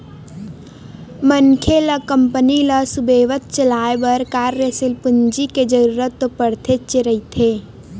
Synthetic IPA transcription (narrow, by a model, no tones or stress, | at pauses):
mənkʰeləkəmpəniləsubeːʋət̪̚t͡ʃəlaːebəɾkaːɾjəsɪlpʊnd͡ʒiked͡ʒəɾuːɾət̪ːopəɽt̪ʰet͡ʃeɾəɦit̪ʰeː